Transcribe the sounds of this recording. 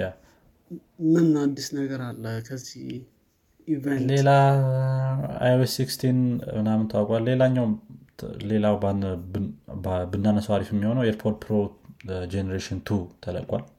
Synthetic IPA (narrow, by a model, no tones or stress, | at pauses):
a | mɨnːad̪ːisnəɡəɾalːəhkʰəzːih | ivenle̞la | a̰joesːikst̪ʰinmɨnamɨnt̪ʰaawkʼalːe̞laɲːaw | le̞lawbn | bɨnːanːəsəwaɾifɛmːiho̞nəweɾpʰoɾt̪̚pʰɾod͡ʒenəɾeʃint̪ʰut̪ʰələ̰kʼwa̰l